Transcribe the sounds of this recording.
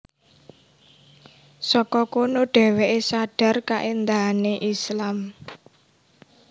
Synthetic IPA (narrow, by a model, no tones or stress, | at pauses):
sɔkɔkonoɖ̥ɛ̤weʔesaɖ̥a̤rkaʔend̪aɦaneʔislam